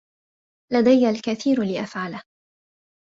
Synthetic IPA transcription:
lad̪ajalkaθiːɾlɪʔafʕalah

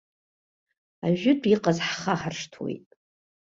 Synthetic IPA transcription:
aʒᶣʏdʷʰʼiqʼazħχaχarʂtʰwḛjtʼ

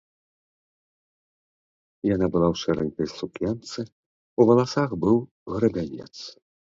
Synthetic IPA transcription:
janabɨlˠawʂɛɾɛ̰nʲkɐjsukjant̪sɨ | uvɐlˠasaxbɨw | ɣɾɨbʲanʲɛ̰t̪s

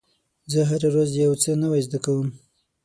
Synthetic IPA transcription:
zəɦaɾaɾazjawt͡sənəwajzd̪akawəm

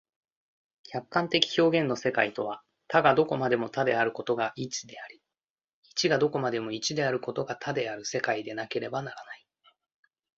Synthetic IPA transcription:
kʲakːãnt̪e̞kʲi̥ço̞ːɡẽ̞nːo̞se̞kait̪o̞β̞a | t̪aɡad̪o̞ko̞mad̪e̞mo̞t̪ad̪e̞aɾɯ̟ko̞t̪o̞ɡaʔit͡ɕi̥d̪e̞aɾʲi | it͡ɕiɡad̪o̞ko̞mad̪e̞mo̞it͡ɕid̪e̞aɾɯ̟ko̞t̪o̞ɡat̪ʰad̪e̞aɾɯ̟se̞kaid̪e̞nake̞ɾe̞banaɾanai

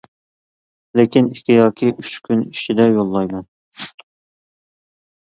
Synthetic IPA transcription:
lɪkʲiniht̪ʰɪjɑːkʲʰiyt͡ʃkʲʰyniʃid̪ɛjolˠːɑjmɑn

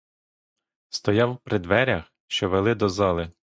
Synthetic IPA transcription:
st̪ɔjɑwpɾɪd̪ʋɛɾʲɐx | ʃt͡ʃɔʋelˠɪd̪ɔzɑlˠɪ

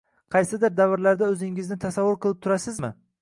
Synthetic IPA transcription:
qʰɑjsɪd̪ɪɾd̪avɪɾlaɾd̪aɵzɪŋɪznɪt̪ʰasavːʊɾqʰɨlˠɪp̚t̪ʰʊɾasɪzmɪ̰

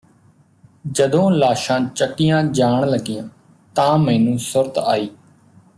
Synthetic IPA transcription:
d͡ʒəd̪õːlaːʃãːt͡ʃəkːɪjãːd͡ʒaːɳləɡɪjãː | t̪ãːmɛ̃ːnũːsʊɾt̪aːiː

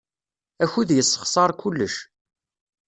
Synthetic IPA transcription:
æçuðjəsˤːə̥χsˤɑɾˤkulːəʃ

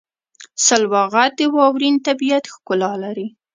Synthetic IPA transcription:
salwɑɣat̪̚d̪əwɑwɾint̪abijat̪xkʊlɑlaɾi

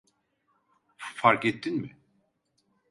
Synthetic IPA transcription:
faɾket̪ːinmɪ

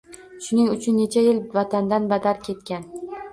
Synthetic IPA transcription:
ʃʊnɪŋʊt͡ʃʰʊnːe̞t͡ʃʰajɪlvat̪ʰand̪anbad̪aɾkʲʰe̞t̪̚kʲan

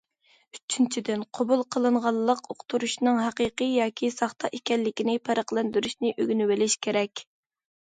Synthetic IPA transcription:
yt͡ʃʰːynt͡ʃʰid̪ɪnqʰobulˠqʰəlˠɨɴʁɑlˠːəqoqt̪ʰuɾuʃnɨŋɦæqiqijɑːkʲʰisɑχt̪ɑ̰ʔekʲɛlːɪkʲinɪpʰæɾəχlˠænd̪yɾyʃnɪʔøɡʲnywɪlɪʃkʲʰeɾɛkʲ

